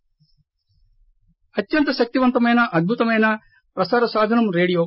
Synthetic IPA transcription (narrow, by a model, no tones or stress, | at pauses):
ɐt̪ːjɐnt̪ɐʃɐk̚t̪iʋɐnt̪ɐmɐjnɐʔɐd̪̚bʱut̪ɐmɐjnɐ | pɾɐsaːɾɐsaːd̪ʱɐnɐmɾeːɽijoː